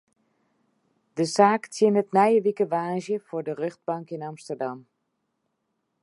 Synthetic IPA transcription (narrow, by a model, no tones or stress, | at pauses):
dəsaːktʰjɪnətnɛjəʋikəʋaːʒjəfʊːɹdərøχd̚bɑŋkɪnɑmstərdɑm